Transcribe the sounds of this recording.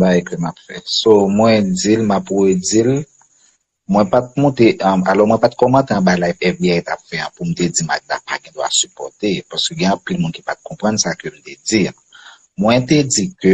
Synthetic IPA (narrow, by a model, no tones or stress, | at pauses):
baɛkømapfɛsomwɛ̃d͡zilmapwed͡zil | mwɛ̃pat̪̚mɔ̃t̪eʔmalɔmw̃ɛ̃pat̪̚kɔmãt̪eãbalajfɛfbiajt̪apfɛã̰pum̩t̪ed͡zima̰k̚da̰paɡɛ̃d̪wa̰sypɔt̪epaskøɡɛ̃ɑ̃pilmũnki̥pat̪̚kʰɔ̃pʁɐ̃nsakøm̩t̪ed͡zi | mwɛ̃t̪ed͡zikø